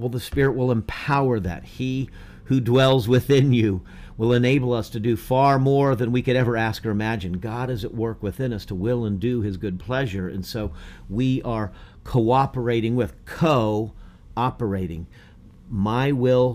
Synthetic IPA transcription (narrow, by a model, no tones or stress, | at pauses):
lˠðəspɪɹɨʔ̚wəlˠə̃mpʰaʊə˞ðɨ̰t̚hi | hʉdwɛlˠzwɪθɪ̃njʉ | wəlˠə̃neɪbl̩ˠʌstʰɨdɨfɑɹmɔɹðɨ̃nwikɨɾɛvə˞æskə˞ɨmæd͡ʒɨ̃nɡɑɾɨzɨʔwɜ˞kwɨθɪ̃nʌstʰəwɪlˠə̃ndɨɪzɡʊd̚pʰl̥ɛʒə˞ɨ̰̃nsoʊwiə˞kʰoʊɑpə˞eɪɾɪ̃ŋwɪð̥kʰoʊ | ɑpə˞eɪɾɪ̰̃ŋ | maɪwɪlˠ